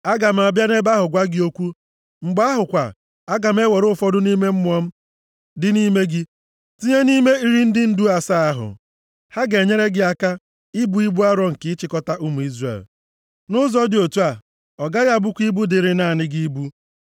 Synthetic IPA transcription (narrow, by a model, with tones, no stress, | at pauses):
a˦ɡa˨m̩˨a˨bja˦ne˦ba˦ɦʊ˨ɡʷa˦ɡɪ˦o˦kʷu˦ | ŋ͡m̩˨ɡ͡ba˦ɦʊ˨kʷa̰˨ | a˦ɡa˨m̩˦e˦we˨ɾʊ˦fɔ˦dʊ˦ni˦me˦m̩˦m˦ɔ˦m̩˦ | dɪ˦ni˦me˦ɡɪ˦ | ti˦ɲe˦ni˦me˦i˦ɾi˦n̩˦dɪ˦n̩˦du˦a˨sa˦a˦ɦʊ̰˨ | ha˦ɡe˨ɲe˦ɾe˦ɡɪ˦a˦ka˦ | ɪ˦bu˦i˦bu˦a˦ɾɔ˨ŋ̩˨kɪ˦t͡ʃɪ˨kɔ˦ta˦ʔu˦mu˨i˦zrḛ˨l | nʊ˦zɔ˦dɪ˨o˨tu˦a˨ | ɔ˨ɡa˦ɣa˦˨bu˦kʷi˦bu˦dɪ˨ɾɪ˦na˦˨nɪ˦ɡi˦bu˦